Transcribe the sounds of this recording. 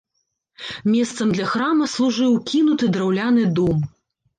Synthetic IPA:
mʲɛst̪sɐmd̪lʲɐxɾamɐslˠuʐɨwkʲinut̪ɨd̪ɾawlʲan̪ɨd̪ɔm

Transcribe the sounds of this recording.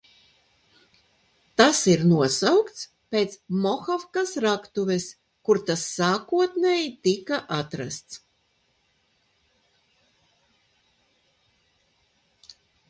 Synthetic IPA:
t̪asiɾnuɔsawkt̪s | pʲeːt̪smɔxafkasɾakt̪uvʲes | kuɾt̪asːaːkuɔt̪neːjit̪ikaʔat̪ɾa̰st̪s

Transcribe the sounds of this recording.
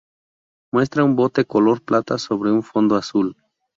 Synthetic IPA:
mwe̞st̪ɾaumbo̞t̪ekolo̞ɾplat̪aso̞βɾeuɱfo̞nd̪oasul

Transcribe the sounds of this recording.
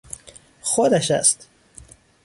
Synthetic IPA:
xod̪æʃæ̰st̪

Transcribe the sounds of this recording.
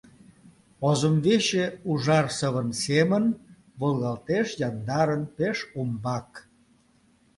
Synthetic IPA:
ozəmveʃeuʒɑrsəβənsemən | βəlˠɣɑlt̪eʃjɑnd̪ɑɾənpeʃumbɑk

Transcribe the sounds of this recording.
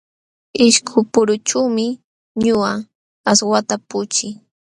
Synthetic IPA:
ɪʃkʰʊpʊɾʊt͡ʃuwmɪ | ɲʊa | aswat̪apʊt͡ʃɪ

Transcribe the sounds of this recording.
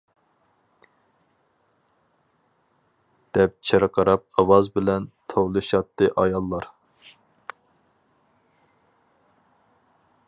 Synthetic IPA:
d̪̥ɛp̚t͡ʃʰeɾqʰɑɾɑp̚ɑwɑzbɪlɛnt̪ʰowlˠɨʃɑt̪ːɨʔɑjɑlˠːɑɾ

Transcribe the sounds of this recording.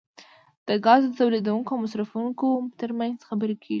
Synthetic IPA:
d̪̥əɡɑzd̪ət̪awled̪awuŋkoawmasɾafuŋkot̪əɾmanzxabəɾekʰeɡi

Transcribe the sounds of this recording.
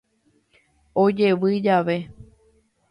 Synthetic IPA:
od͡ʒe̞ʋɨd͡ʒaʋe̞

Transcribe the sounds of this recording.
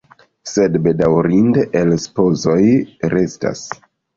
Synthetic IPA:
se̞dbe̞dawɾindʔelspo̞zo̞jɾe̞sta̰s

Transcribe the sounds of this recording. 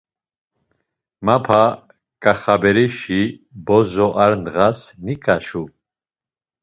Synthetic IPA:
mapʰa | kʼaχabɛɾiʃibɔzɔʔaɾnʁasnikʼaʃu

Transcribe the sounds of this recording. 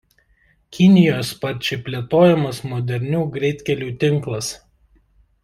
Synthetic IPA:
kʲɪnʲɪjoːspɐɾʲt͡ʃʲɛpʲlʲiɛt̪oːjɛmɐsmɔd̪ʲɛɾʲnʲuːɡɾʲɛɪt̪ʲkʲɛlʲuːt̪ʲɪŋˑklˠɐs

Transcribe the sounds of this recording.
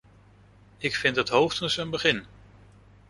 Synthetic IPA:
ɪkfɪntətɦowftənsənbəχɪn

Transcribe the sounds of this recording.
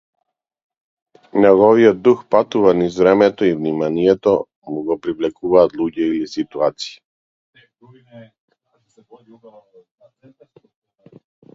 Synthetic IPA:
nɛɡɔviɔd̪uxpat̪uvanizvɾɛmɛt̪ɔivnimanijɛt̪ɔ | muɡɔpɾivlɛkuvaːt̪lˠuɟɛilisit̪uat̪si̥i

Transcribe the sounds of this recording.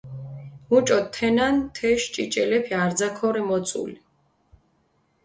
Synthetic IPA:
mut͡ʃʼɔtt̪ʰːɛnant̪ʰɛʃt͡ʃʼit͡ʃʼɛlɛpʰiaɾd̪zakʰɔɾɛmɔt̪sʼṵli

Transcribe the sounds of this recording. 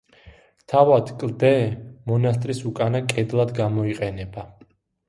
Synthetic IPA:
t̪ʰavad̪kʼlˠd̪ɛmɔnast̪ʼɾisukʼanakʼɛd̪lˠad̪ɡamɔiqʼɛnɛba

